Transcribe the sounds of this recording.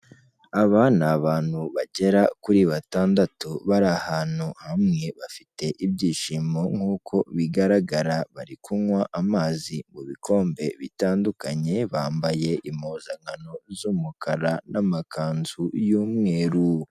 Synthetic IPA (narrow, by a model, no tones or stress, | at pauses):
aβanaβaːn̥huβaɟe̞ɾakuɾiβataːndatuβaɾahaːn̥huhamŋe̞βafite̞ʔibɟiːʃimo̞ŋ̥huːkʰo̞βiɡaɾaɡaɾaβaɾikʰuwaʔamaːzimuβikʰo̞ːmbe̞βitaːndukaɲe̞βaːmbaje̞ʔimoːzaŋano̞zumukʰaɾanamakʰaːnzujuːmŋe̞ːɾu